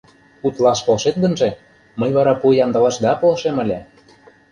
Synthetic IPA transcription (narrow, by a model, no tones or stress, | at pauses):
ut̪lˠɑʃkolˠʃet̪̚d̪ə̆nʒĕ | məjβɑɾɑpujɑnd̪ɑ̆lɑʃd̪ɑpolʃemə̆lʲæ